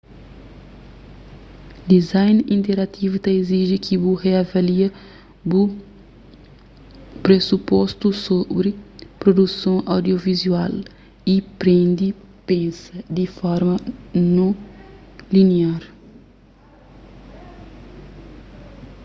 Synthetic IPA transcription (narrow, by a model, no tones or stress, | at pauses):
d̪izajnĩnt̪eɾat̪ʰivut̪ɐiziʒikʰibuheavaliɐ | bu | pɾesupɔst̪usobɾipɾod̪usɐ̃w̃ʔawd̪jovizual | ipɾẽnd̪i | pẽsɐd̪ifɔɾmɐnõ | liniaɾ